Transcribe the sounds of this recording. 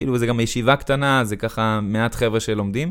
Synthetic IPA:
kḭːluzeɡamajeʃivakt̪anazekaχameat̪χevʁeʃelo̞md̪im

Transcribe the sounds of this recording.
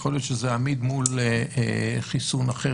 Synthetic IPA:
χoljo̞t̪ʃezeamid̪muleeχisunaχe

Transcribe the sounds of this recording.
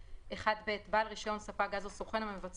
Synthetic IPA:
ʔeχad̪beːt̪balʁiʃo̞nsafaɡazosoχenamamevat͡s

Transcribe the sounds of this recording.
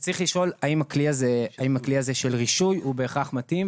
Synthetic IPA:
t͡sʁiχliʃo̞laimakliazeaimakliaze̞ʃelʁiʃujube̞ːχaχmatim

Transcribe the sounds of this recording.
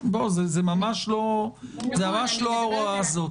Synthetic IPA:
bozezemamaʃlo̞zemamaʃloaoʁaazo

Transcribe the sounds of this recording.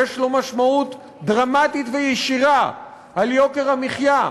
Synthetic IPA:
eʃlo̞maʃmaut̪ | d̪ʁamat̪it̪vejeʃiʁa | ʔaljo̞keʁamiχja

